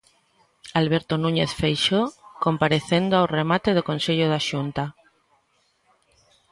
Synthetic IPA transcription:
alβ̞eɾt̪onũɲeθfejʃokõmpaɾeθend̪oaowremat̪eð̞okõnseʎoðaʃunt̪a

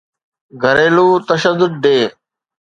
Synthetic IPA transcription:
ɡʱəɾeːluːt̪əʃəd̪ːʊd̪̚ɖeː

